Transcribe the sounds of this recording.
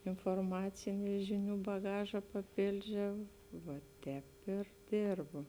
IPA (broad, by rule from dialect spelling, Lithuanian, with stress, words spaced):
ɪnfoːrˈmɑːt͡sʲɪnʲʊ ˈʒʲɪˌnʲuː bɐˈɡɑːʒɐ pɐˈpʲeːlʲd͡ʒʲɛʊ ʋɐ ˈtʲɛːp ɪr ˈdʲeːrboː